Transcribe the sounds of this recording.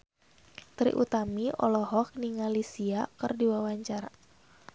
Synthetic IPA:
t̪ɾḭʔut̪amiɔ̰lɔɦɔk̚niŋalisiakɨrdiwawaɲt͡ʃaɾa

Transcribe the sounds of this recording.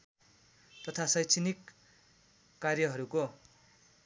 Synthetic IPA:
t̪ʌt̪ʰasʌjt͡sʰinik | arjʌɦʌɾuko

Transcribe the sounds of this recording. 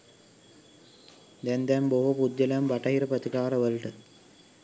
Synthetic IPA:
d̪ɛnd̪ɛmboɦupud̪jɐlambɐʈɐɦiɾɐpɐt̪ikaːɾɐʋəlʈɐ

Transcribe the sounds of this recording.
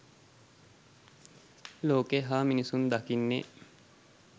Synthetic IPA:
loːkeɦaːminisund̪akinːḛ

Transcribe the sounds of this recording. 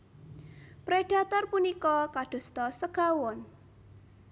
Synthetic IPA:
pɾeɖ̥a̤t̪ɔrpunikɔkaɖ̥o̤st̪ɔsəɡ̥awɔn

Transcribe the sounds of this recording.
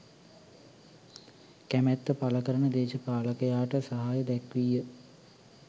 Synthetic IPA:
kæmæt̪ːəpaləkəɾənəd̪eːʃəpaːləkəjaːʈəsaɦajəd̪ɛkʋijə

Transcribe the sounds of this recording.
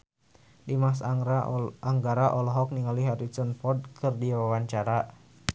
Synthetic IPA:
dimas̬ | aŋɡaɾaʔɔlɔɦɔk̚niŋaliɦaɾit͡ʃɔnfɔrd̚kʰɨrdiawawaɲt͡ʃaɾa

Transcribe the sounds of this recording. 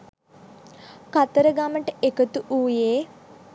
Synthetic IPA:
kat̪əɾəɡaməʈəekət̪uʔuːjeː

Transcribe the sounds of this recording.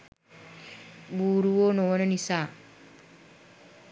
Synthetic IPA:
buːɾuʋonoʋənənisaː

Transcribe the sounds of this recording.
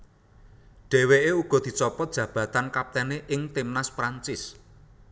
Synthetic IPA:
ɖ̥e̤weʔeuɡ̥ɔ̤d̪̥i̤t͡ʃɔpɔt̪̚dʒ̥ä̤b̥ä̤t̪ankap̚t̪ɛneʔɪŋt̪imnaspɾaɲt͡ʃɪs

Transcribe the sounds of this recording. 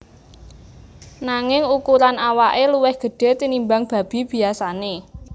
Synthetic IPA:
naŋɪŋukuɾanawaʔeluwɛhɡ̥ə̤ɖ̥ɛ̤t̪inimbaŋb̥a̤b̥i̤b̥i̤asane

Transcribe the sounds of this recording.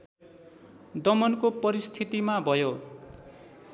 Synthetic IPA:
d̪ʌmʌnkopʌɾist̪ʰit̪imabʱʌjo

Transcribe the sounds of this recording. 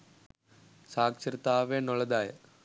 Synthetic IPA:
saːkʂɐɾt̪ːaːʋeːnɔɭɐd̪aːjɐ̰

